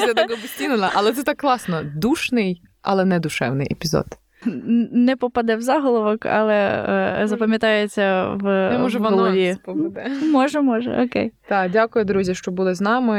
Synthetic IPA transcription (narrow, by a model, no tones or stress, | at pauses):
jjad̪ɐɡɔbʊsʲtʲinenɐʔɐlˠɛt̪sɛt̪ɑkːlˠɑsnɔd̪uʃnɪj | ʔɐ̰lˠɛnɛd̪ʊʃɛ̰wnɪ̰jepʲizɔ̰d̪ | nɛpɔpɐd̪ɛwzɑɦɔlˠɔʋɔkɐ̰lˠɛzɐpɐmʲjɐt̪ɑjet͡sʲːɐʋnɛmɔʒɛʋɐnɔlˠɔʋʲipɔpɐd̪ɛmɔʒɛmɔʒɛ̰ʔɔkejt̪ɑdʲakʊjʊd̪ɾuzʲiʃt͡ʃɔbulˠɪznɑmɪ